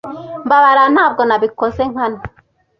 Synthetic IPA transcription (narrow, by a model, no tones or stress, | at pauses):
mbaβaɾan̥haːb̚ɡonaβikozeŋ̥ana